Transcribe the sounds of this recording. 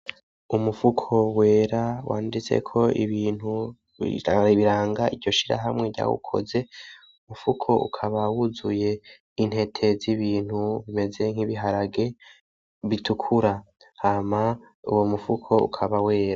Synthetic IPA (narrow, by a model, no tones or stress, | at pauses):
umufukʰo̞we̞ːɾawa̰ːndit͡se̞̰kʰo̞ḭβiːn̥hu | ḭaiβiɾaːŋɡaʔiɾɟo̞ʃiɾa̰ɦamŋe̞ɾɟa̰ːwṵkʰo̞̰ze̞ | umufukʰo̞ʔṵkʰaβawuzuje̞ | in̥he̞tʰe̞ziβiːn̥huβime̞ze̞ŋ̥hiβiɦaɾaɡe̞ | βitʰukʰuɾa | hama | ṵwo̞mufukʰo̞ṵkʰaβawe̞ːɾa